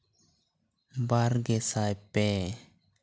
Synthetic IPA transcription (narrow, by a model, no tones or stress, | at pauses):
baɾɡesajpe